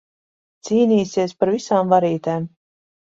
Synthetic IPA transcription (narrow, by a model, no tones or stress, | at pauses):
t̪siːniːsiɛspaɾvisaːmvaɾiːt̪ɛːm